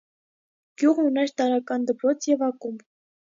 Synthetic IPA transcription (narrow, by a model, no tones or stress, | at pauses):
ɡ̥ʲjuʁəunɛɾt̪ɑɾɑkɑnd̪əpɾɔt͡sʰjɛvɑkum